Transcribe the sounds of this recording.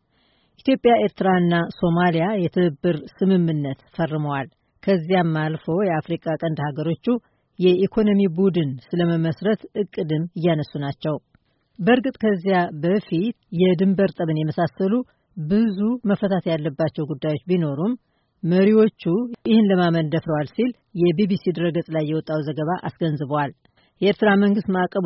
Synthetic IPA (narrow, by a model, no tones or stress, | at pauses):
ʔit̪jo̞pʼːjaʔe̞ɾt̪ʰɨɾaɨnːaso̞malijajɛt̪ʰɨɨbːɨɾsɨmɨmːɨnːət̪fərːɨməwal | kʰəzːijamːalfo̞jɛafɾikʼakʼənd̪haɡəɾo̞t͡ʃːu | jɛikʰo̞no̞mibud̪ɨnsɨləməməsɾət̪ʔɨkʼːɨd̪ɨmɨjːanəsːunat͡ʃːɛw | bəɾɡɨt̪ʼkʰəzːijabəfit̪jɛd̪ɨmbəɾt̪ʼəβɨnjɛməsasːəlu | bɨzuməfət̪ʰat̪ʰjalːəbːat͡ʃːɛwɡud̪ːajwo̞t͡ʃːbino̞ɾumː | əɾiwo̞t͡ʃːujɪhɨnləmamənd̪əfɾəwalsil | jɛbibisid̪ɨɾəɡəsʼlajːɛwɔt̪ʼːawzəɡəβaʔasɡənzɨβwal | jɛʔeɾt̪ɨɾaməŋɡɨst̪maakʼːəβ